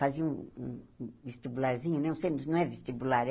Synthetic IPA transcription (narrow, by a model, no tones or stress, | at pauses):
aziɐũũvest̪ibulaɾzĩɲʊnɛ̃sejnʊsnɐ̃w̃ɛvest̪ibulaɾ